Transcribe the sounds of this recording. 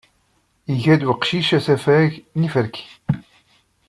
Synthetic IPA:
iʝæd̪wəqʃiʃæsæfæʝnifəɾki̥

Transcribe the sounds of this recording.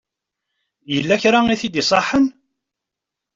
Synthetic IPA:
jəlːæçɾaiθid̪isˤɑħːən

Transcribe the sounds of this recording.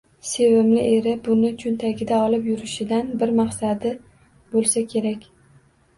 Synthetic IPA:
se̞vɪmlɪ̰ʔeɾɪbʊnɪt͡ʃʰʊnt̪ʰaɡʲɪd̪aɒlɪpjʊɾɪʃɪd̪anbɪɾmɑχsad̪ɪ | bolˠsakʲʰe̞ɾakʲ

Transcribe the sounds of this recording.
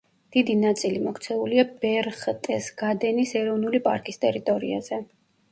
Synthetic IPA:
d̪̥id̪inat̪sʼilimɔkʰt̪sʰɛuliabɛɾχt̪ʼɛsɡ̥ad̪ɛnisɛɾɔvnulipʼa̰ɾkʼist̪ʼɛɾit̪ʼɔɾiaz̥ɛ

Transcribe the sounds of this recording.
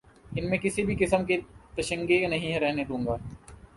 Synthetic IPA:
ɪnmẽkɪsibʱikɪsəmket̪ɐʃə̃ŋɡenɐɦĩɦɛ̃ɾɛɦned̪ũːŋɡaː

